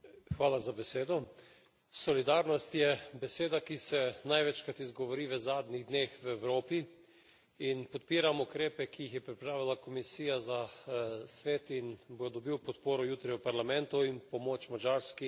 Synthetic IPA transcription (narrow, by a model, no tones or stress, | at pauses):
xʋaːlazabɛseːd̪ɔ | sɔlid̪aːɾnɔst̪jɛbɛseːd̪akisɛnajʋɛt͡ʃkat̪izɡɔʋɔɾiːʋəzaːd̪niɣd̪neːxʋɛwɾoːpi | inpɔt̪piːɾamukɾeːpɛkijixjɛpɾipɾaːʋilakɔmisiːjaza | sʋeːt̪inboːjd̪ɔbiwpɔt̪poːɾɔjuːt̪ɾiwpaɾlamɛnt̪uinpɔmoːt͡ʃmad͡ʒaːɾski